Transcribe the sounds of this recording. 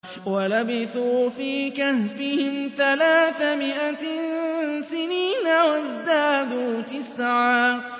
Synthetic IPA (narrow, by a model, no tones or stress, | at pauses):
walabɪθuːfiːkahfɪhɪmθalaːθamɪʔa | sɪniːnawazd̪aːd̪uːt̪ɪsʕaː